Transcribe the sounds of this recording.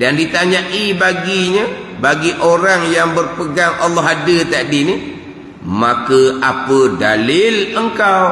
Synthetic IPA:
dandit̪aɲãʔibaɡiɲə | baɡiʔoɾaŋjaŋbərpəɡaŋʔalːɔɦadət̪aʔdini | makəapədalɪləŋkaw

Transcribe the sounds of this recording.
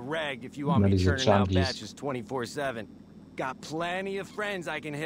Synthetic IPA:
ɹæɡ̚dɨfjɨmɛɾizət͡ʃãmɡizt͡ʃɨz̥tʰw̥ɛ̃ɾ̃ifɔɹsɛvɨ̃n | ɡ̥ɑt̚pʰl̥ɛ̃ɾiʌv̥fɹɛ̃ndzaɪkɨ̃nhɪ

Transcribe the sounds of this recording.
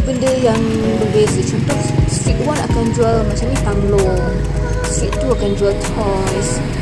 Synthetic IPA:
bəndəjaŋ | bəbezət͡ʃɔnt̪ɔʔstit̪̚wanakand͡ʒualmat͡ʃamɲĩt̪aŋlɔ | stiʔt̪uakand͡ʒualt̪ʰɔ | js

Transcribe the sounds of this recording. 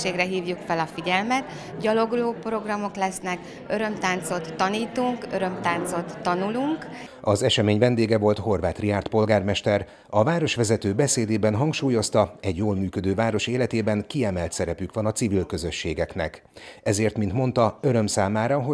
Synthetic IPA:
eːɡrɛɦiːvjukfɛlɒfiɟɛlmɛt̪ | ɟɒlo̞ɡuloːpro̞ɡrɒmo̞klɛsnɛk | øɾø̞mt̪aːnt̪so̞t̪ːɒniːt̪uŋkøɾø̞mt̪aːnt̪so̞t̪ːɒnuluŋkɒzɛʃɛmeːɲvɛnd̪eːɡɛvo̞lt̪ho̞rvaːt̪riaːrt̪po̞lɡaːrmɛʃt̪ɛɾ | ɒvaːɾo̞ʃʋɛzɛt̪øːbɛseːd̪eːbɛnɦɒŋkʃuːjo̞st̪ɒɛɟjoːlmyːkød̪øːvaːɾo̞ʃeːlɛt̪eːbɛŋkiɛmɛlt̪sɛɾɛpykʋɒnɒt̪sivilkø̞zøʃːeːɡɛknɛ̰k | ɛzeːrt̪mint̪mo̞nt̪ɒøɾø̞msaːmaːɾɒɦo

